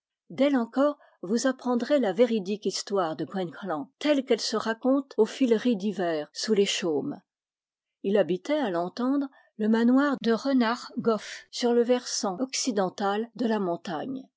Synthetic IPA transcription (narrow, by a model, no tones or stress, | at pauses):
d̪ɛlɑ̃kɔʁ | vuzapχɑ̃d̪ʁelaveʁid̪ikist̪waʁd̪əɡʁɛnklɑ̃t̪ɛlkɛlsəʁakɔ̃t̪ofilʁid̪ivɛːʁsuleʃom | ilabit̪ɛalɑ̃t̪ɑ̃d̪ʁ | ləmanwaʁd̪əʁənaʁɡɔfsyʁləvɛʁsɑ̃ɔksid̪ɑ̃t̪ald̪əlamɔ̃t̪aɲ